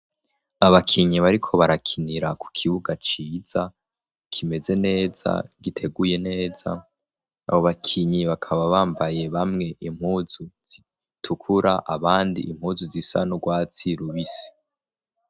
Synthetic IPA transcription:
aβakʰiɲiβaɾikʰo̞βaɾakʰiniɾakʰu̥kʰiβuɡat͡ʃiːz̥a | kʰime̞ze̞ne̞ːz̥a̰ɡitʰe̞ɡuje̞ne̞ːza̰ː | βo̞βakʰiɲiβakʰaβaβaːmbaje̞βamŋe̞ʔimhuːz̥uz̥i | tʰukʰuɾaʔaβaːndḭʔim̥huzuzisa̰noɡwaːt͡siɾuβisi̥

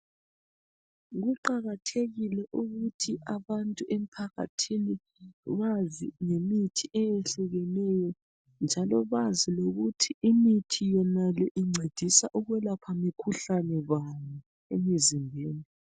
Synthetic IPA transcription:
ɣuǃaɣatʰeɣilɛʔuɣutʰiʔaβantʼuʔem̩pʰaɣa̰tʰini | βaziŋemitʰiʔɛjɛɬuɣɛnɛjɔ | nd͡ʒʱalɔβaziloɣutʰiimitʰijɛnalɛʔiŋ͡ǀʱed̥ʱisaʔuɣwɛlapʰamikʰuɬanɛβaɲɛ | emizimbʱeːni

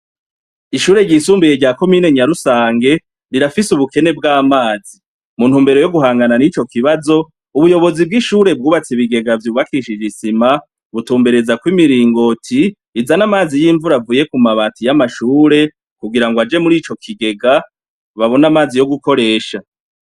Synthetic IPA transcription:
iʃuːɾe̞ɟisuːmbuje̞ɟaːko̞miːne̞ɲaɾusaːŋɡe̞ | ɾiɾafisuβuke̞ne̞bɡaːmaːzi | munhuːmbe̞ɾo̞jo̞ɡuɦaːŋɡananit͡ʃo̞kiβazo̞ | uβujo̞βo̞zib̚ɡiʃuːɾe̞b̚ɡuːβat͡siβiɡe̞ɡavjuːβakiʃid͡ʒisima | βutuːmbeɾe̞zakwimiɾiːŋɡo̞tʰiː | zanamaːzijiːɱvuɾavuːje̞kumaβaːtijamaʃuːɾe̞ | kuɡiɾaŋɡoad͡ʒe̞muɾit͡ʃo̞kʰiɡe̞ɡa | βaβo̞namaːzijo̞ɡuko̞ɾe̞ːʃa

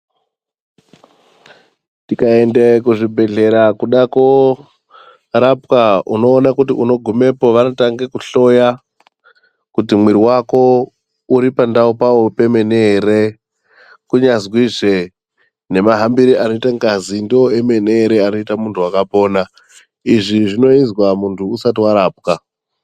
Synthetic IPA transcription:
tikae̞ndekuʐibʱe̞ɮe̞ɾakuɗako | ɾapkauno̞ːnakutiʔuno̞ɡʱume̞po̞ʋanotaŋɡekuɬo̞ja | kutimwiɾiwako̞ | uɾipandaupawo̞pe̞me̞nere | kuɲazwiʐe̞ | ne̞maɦambiɾiʔano̞itaŋɡazindioe̞meneːɾe̞ano̞itamuntʰuakapo̞ːna | iʐiʐino̞inzwamuntʰuːsatiwaɾaːp̚ka

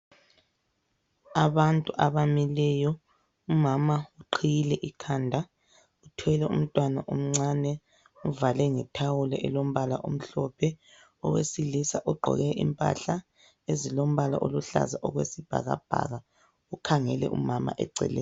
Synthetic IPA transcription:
aβantʼuʔaβamilɛjɔ | umamauǃʰijilɛʔikʰaːndʱa | utʰwɛlɛṵm̩tʼwanaʔom̩ŋ͡ǀanɛ | uvalɛŋɛtʰawulɛ̰ʔɛlom̩βalaʔo̰m̩ɬɔpʰɛ | ɔɣwesilisaʔɔɡ͡ǃʱɔ̰ɣɛḭmpʼa̰ɬa | ezilom̩βala̰ʔoluɬa̰zaʔɔɣwesib̥ʱa̰ɣa̰b̥ʱa̰ɣa | ukʰaŋɛlɛ̰ʔṵmama̰ʔɛ̰ǀɛ̰lɛːj

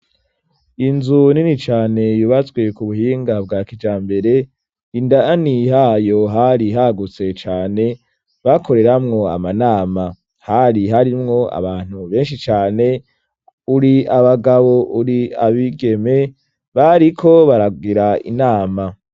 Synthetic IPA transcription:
inzuninit͡ʃaːne̞juβat͡sɡwe̞kuβuɦiːŋɡabɡaːkid͡ʒaːmbe̞ɾe̞ | indaanihajo̞ɦaɾiɦaɡut͡se̞t͡ʃaːne̞ | βako̞ɾe̞ɾamŋo̞a̰manaːma | haɾiɦaɾimŋo̞a̰βaːn̥huβe̞ːnʃit͡ʃaːne̞ | uɾiaβaɡaβo̞ʔuɾiaβiɡe̞me̞ | βaɾikʰo̞βaɾaɡiɾaḭnaːma

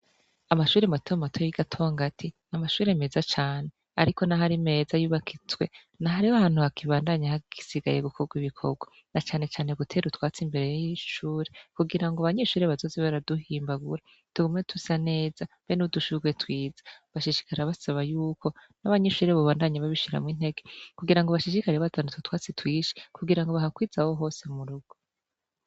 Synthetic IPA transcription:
amaʃuːɾematʰomatʰojjiɡatʰoŋɡatʰinamaʃuːɾe̞me̞ːzat͡ʃaːne̞ | aɾiko̞naɦaɾime̞ːzajuːβakʰit͡swe̞̰ | naɦaɾiohaːn̥huakiβaːndaɲahaɡ̥isiɡa̰je̞ɡukʰoɡwiβikʰo̞̰b̚ɡwa | nat͡ʃaːne̞t͡ʃaːne̞ɡutʰe̞ːɾutwaːt͡simbe̞ɾejjiiʃuːɾekuɡiɾaŋɡoaβaɲeʃuːɾeβazo̞zeβaɾaduhiːmbaɡuɾa | tuɡomŋetʰusane̞ːz̥a | benuduʃuɡwetwiːzḁβaʃiʃi̥kaɾeaβasaβajuːkʰo̞naβaɲeʃuːɾeβaβaːndaɲaβaβiʃiɾa̰mŋiːn̥he̞ɡe̞kuɡiɾaŋɡoβaʃiʃikaɾeβatʰanututwaːt͡sitwiːʃi̥kuɡiɾaŋɡo̞βaɦakwiːzaho̞ɦo̞ːsemuɾuɡ̥o

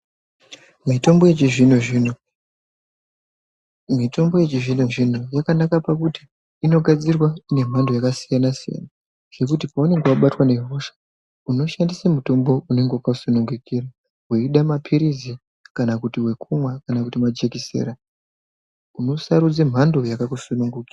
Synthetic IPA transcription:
mito̞mbo̞jet͡ʃiʐinoi | mito̞mbo̞je̞t͡ʃiʐinoʐin̤ojakanakapakuti̥ː | no̞ɡʱad͡zirwaine̞m̤andojakasijanasija̰na | ʐ̥e̞kutipaune̞ŋɡewaɓatwane̞roʃḁ | uno̞ʃandisemuto̞mbo̞une̞ŋɡewakasunuŋɡukira | weiɗamapʰiɾizi | kanakutiwe̞kʰumwakanakutimad͡ʒekisḛɾa | uno̞saɾud͡zem̤ando̞jakakusunuŋɡukira

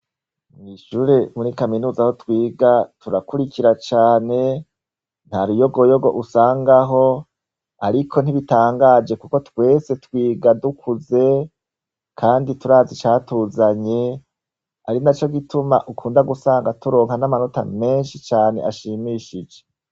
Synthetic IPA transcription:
niʃuɾe̞muɾikaminuːzaho̞twiːɡatuɾakuɾikiɾat͡ʃaːne̞ | n̥haɾujo̞ɡo̞jo̞ɡo̞̰ʔusaːŋɡaɦo̞ | aɾikʰo̞n̥iβitaːŋɡaːd͡ʒe̞kuko̞twe̞ːse̞twiːɡadukʰuze̞ | kʰaːndituɾaːzit͡ʃaːtuːzaɲe̞ | aɾinat͡ʃo̞ɡituma̰ʔukʰuːndaɡusaːŋɡatuɾo̞ːŋhanamano̞ta̰me̞ːnʃit͡ʃaːne̞ʔaʃimiʃid͡ʒe̞

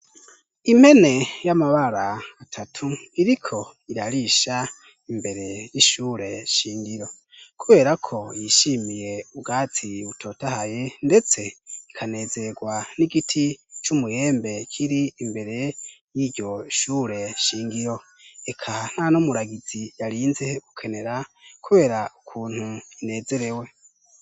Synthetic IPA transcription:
im̥he̞ne̞jamaβaɾaːtʰatʰuiɾikʰo̞ | iɾaɾiʃa | imbe̞ɾe̞jiʃuːɾe̞ʃiːŋdiɾo̞ | kʰuβe̞ːɾakʰo̞jiʃimije̞uɡaːt͡sʰiutʰo̞ːtahaje̞nde̞t͡se̞ikʰane̞ːzeɾeɡwaniɡitʰit͡ʃumuje̞ːmbe̞kʰiɾiːmbe̞ɾe̞jiɟo̞ʃuːɾe̞ʃiːŋɡiɾo̞ | ekʰan̥hanomuɾaɡiz̥ijaɾiːnze̞ɡ̥ukʰe̞ne̞ɾakʰuβe̞ːɾaukʰuːn̥huine̞ːze̞ɾe̞we̞

